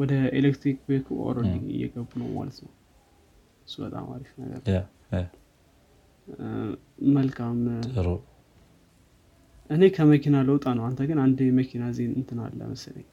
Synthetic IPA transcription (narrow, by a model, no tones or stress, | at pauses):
wɔd̪əelekt̪ɾikbekʰuo̰ɾolɨŋɨ̰jɛ̰ɡəbːunə̰wma̰lət̪nəw | ɨsːubət̪ʼa̰ma̰ɾifnəɡə̰ɾ | əlkʰamɾ | ʔɨne̞kʰəməkʰinaləwt̪ʼanəwant̪ʰəɡɨnand̪məkʰinazenɨnt̪ʰɨna̰lːə̰məslə̰ɲː